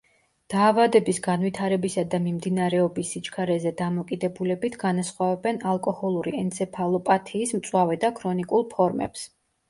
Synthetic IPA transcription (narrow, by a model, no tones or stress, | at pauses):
d̪̥aːvad̪ɛbisɡanvwit̪ʰaɾɛbisad̪amimd̪inaɾɛɔbisːit͡ʃʰʼkʰaɾɛzɛd̪amɔkʼid̪ɛbulɛbit̪ʰɡanasχwavɛbɛnalˠkʼɔhɔlˠuɾiɛnt̪sʰɛpʰalˠɔpʼat̪ʰiːsmt̪sʼwavɛd̪akʰɾɔnikʼulˠpʰɔɾmɛ̰ps